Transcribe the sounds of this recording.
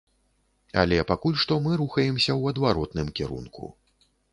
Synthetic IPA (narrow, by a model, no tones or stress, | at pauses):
ɐ̰lʲɛpakulʲʂt̪ɔmɨɾuxɐjɛmsʲɐwɐd̪vaɾɔt̪nɨmkʲɛɾṵnkʰṵ